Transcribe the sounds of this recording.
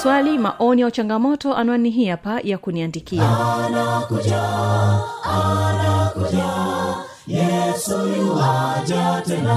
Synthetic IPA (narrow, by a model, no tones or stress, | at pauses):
swalimaʔɔnijaut͡ʃaŋɡamɔtɔʔanaɔniɦiapajakuniandikianakud͡ʒa | anakud͡ʒa | jɛsuwad͡ʒatɛna